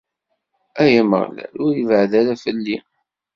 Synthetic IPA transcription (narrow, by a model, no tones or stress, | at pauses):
æjæmə̰ʁlæ̰ɾʊɾjəvəʕðæɾæfəlːi